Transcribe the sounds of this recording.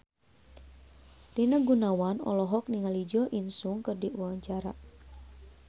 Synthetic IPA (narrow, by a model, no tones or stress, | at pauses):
dinaɡunawanɔ̰lɔɦɔk̚niŋalid͡ʒɔʔinsuŋkərdiʔuaɲt͡ʃaɾa̰